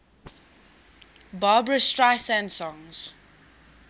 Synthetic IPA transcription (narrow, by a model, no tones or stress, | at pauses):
baːbɹəstɹaɪsãnsɔ̃ŋz̥